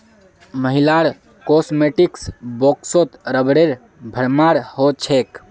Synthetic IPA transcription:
məɦilaɾ | kosmeʈiksboksot̪ɾəbɽeɾ | bʱəɾmaɾhot͡ʃʰek

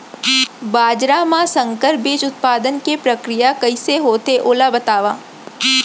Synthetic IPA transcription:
baːd͡ʒɾamãsɐ̃ŋkəɾbiːt͡ʃʊt̪̚paːd̪ənkepɾɐkɾɪjakɐiseɦoːt̪eʔoːlabɐt̪aːʋaː

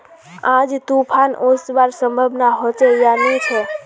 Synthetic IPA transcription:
ãd͡ʒt̪upʰanosbaɾsəmbʱəbnaɦot͡ʃejanit͡ʃʰe

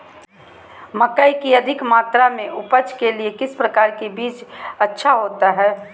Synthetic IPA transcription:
məkəikiəd̪ʱɪkmaːt̪ɾamẽʔʊpət͡ʃkeliekɪspɾəkaːɾkebiːt͡ʃətːʃʰaɦoːt̪aɦɛː

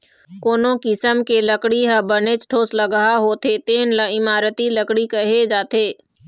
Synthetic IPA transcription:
koːnõkɪsəmkeləkɽiɦəbənet͡ʃʈʰoːsləɡəɦaɦoːt̪ʰet̪eːnləɪmaːɾət̪iləkɽikɐɦed͡ʒaːt̪ʰeː

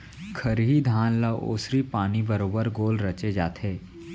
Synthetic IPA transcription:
kʰɐɾɦid̪ʱaːnlaʋo̰ːsɾipaːnibɐɾoːbəɾɡoːlɾɐt͡ʃed͡ʒaːt̪ɦeː

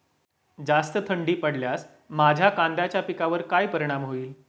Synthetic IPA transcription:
d͡zast̪ət̪ʰəɳɖiːpəɽljas | mad͡ʑʱjakãnd̪at͡ɕjapikaʋəɾkajpəɾiɽ̃amɦoiːl

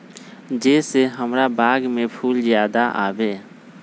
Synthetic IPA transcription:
d͡ʒeseɦəmɾabaːɡmepʰuːlzjaːd̪aʔa̰ːbeː

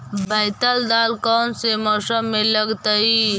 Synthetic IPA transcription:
baɪt̪əld̪aːlkɔːnsemɔːsəmːẽləɡt̪əi

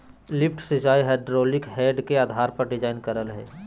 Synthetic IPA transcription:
lɪpʰʈsɪd͡ʒaːiɦeːɖɾoːlɪkɦɛːɖkeaːd̪ʱaːɾpɐɾɖɪd͡ʒaːɪnkəɾəlɦɛ̰ː

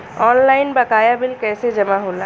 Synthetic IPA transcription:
ɔnlaɪnbəkaːjabɪlkɛːsed͡ʒəmaɦoːla

